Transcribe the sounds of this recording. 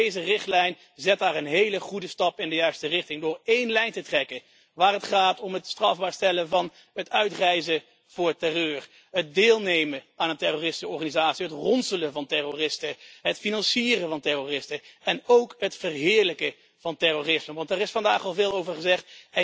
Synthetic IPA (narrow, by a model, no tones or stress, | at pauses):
ejzərɪχtlɛjn | zɛt̚daːɹənɦejləχudəstɑpɪndəjœɥstərɪχtɪŋdʊːɹejnlɛjntətrɛkə | ʋaːrɦətχaːtɔmɦətstrɑvbaːɹstɛləvɑn | ɦətœɥtrɛjzə | v̥ʊːɹtɛrøːr | ɦət̚dɪːlˠnejməaːnəntɛroːrɪstəɔɹχaːnizaːtsiɦətrɔnsələvɑntɛroːrɪstəɦətfinɑnsiːrəvɑntɛroːrɪstəɛnowkɦətfərɦɪːɹləkə | v̥ɑntɛroːrɪsməʋɑntɛːɾɪsfɑndaːχɑlˠvɪːlˠowvəɹχəzɛχtɛ